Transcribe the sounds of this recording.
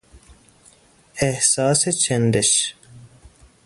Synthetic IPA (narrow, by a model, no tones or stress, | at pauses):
ehsaːset͡ɕʰend̪eɕ